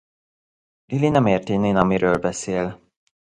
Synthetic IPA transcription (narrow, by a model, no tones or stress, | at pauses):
lilinɛmeːrt̪ineːnɒmiɾøːlbɛseːl